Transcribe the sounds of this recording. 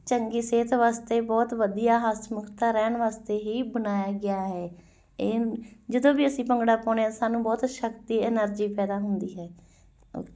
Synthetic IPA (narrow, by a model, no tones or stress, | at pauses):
t͡ʃəŋɡiːseːt̪ʋaːst̪eːbɔːt̪ʋəd̪ijaːɦasmʊkʰt̪aːɾɛːɳʋaːst̪eːɦiːbənaːjaːɡɪaːɦɛː | eːd͡ʒəd̪õːʋiːəsĩːpəŋɡɽaːpɔ̃ːɳeãːsaːnũːbɔːt̪ʃəkt̪iːɪnəɾd͡ʒiːpɛːd̪aːɦʊnd̪iːɦɛ̰ː